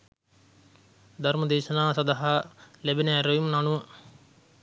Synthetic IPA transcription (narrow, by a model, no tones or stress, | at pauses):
d̪ʱɐrməd̪eːʃɐnaːsɐd̪aɦalebineːɾojumnanuʋə